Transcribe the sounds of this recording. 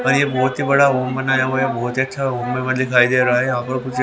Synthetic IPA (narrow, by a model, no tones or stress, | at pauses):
ɔːɾjebɔːʊt̪ɦibɐɽaɦoːmbɐnaːjãojebɔːʊt̪iɐtːʃʰaɦoːmːẽmɐnd̪ɪkʰaːid̪eːɾɐaɦɛjɐɦãːpɐɾkʊt͡ʃʰ